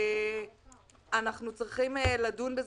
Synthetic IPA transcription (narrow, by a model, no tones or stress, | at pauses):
anaχnut͡sʁiχimeladunbez